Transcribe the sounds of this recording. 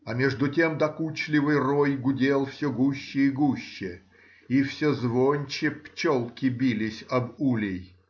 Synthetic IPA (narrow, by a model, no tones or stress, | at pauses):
ɐmʲeʐd̪ʊtʲemd̪ɐkut͡ɕlʲɪvɨjrojɡʊdʲelˠfsʲoɡuɕːɪiɡuɕːɪ | ifsʲozvonʲt͡ɕɪpt͡ɕolˠkʲɪbʲilʲɪsʲɐbulʲɪj